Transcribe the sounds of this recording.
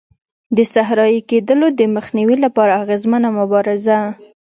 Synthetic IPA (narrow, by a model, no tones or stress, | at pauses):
d̪əsaɦɾɑjiked̪əlod̪əməxniwilapɑɾaːɣezmənamʊbɑɾɪza